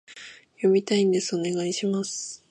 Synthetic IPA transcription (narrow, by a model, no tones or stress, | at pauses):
jo̞mʲit̪aĩnd̪e̞sɨo̞ne̞ɡaiɕimasɨ̥